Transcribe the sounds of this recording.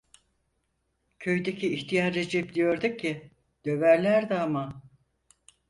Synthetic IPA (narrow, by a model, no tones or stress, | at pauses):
cʰø̞jd̪ecʰiːçt̪ʰijaɾːed͡ʒɛp̚d̪ijo̞ɾd̪uc̚ʰːɪ | d̪̥ø̞væɾlʲæɾd̪ɛama